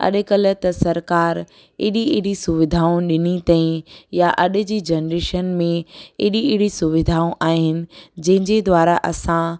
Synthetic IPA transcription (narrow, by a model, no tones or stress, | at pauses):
ɐ̰ɗɪkələ̆t̪ɐsɐɾkaːɾ | ɪɗiɪɦɽisʊʋɪd̪ʱaːũɗɪnit̪ãːĩjaʔɐɗɪ̆d͡ʑiːd͡ʑɐnɾeːʃənmẽɪɗiɪɦɪɽisʊʋɪd̪ʱaːũʔaːɦɪnɪ̆d͡ʑɐ̃ɦɪ̃ɲd͡ʑed̪ʋaːɾaʔɐsã